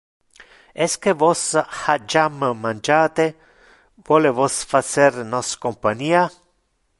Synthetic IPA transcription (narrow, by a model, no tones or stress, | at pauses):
ɛskevɔshad͡ʒammand͡ʒaːt̪e | vwɔːlevɔsfasernɔskompaɲiːa